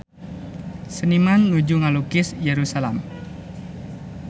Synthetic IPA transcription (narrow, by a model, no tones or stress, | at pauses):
sənimanːud͡ʒuŋalukɪsjeɾusalɛm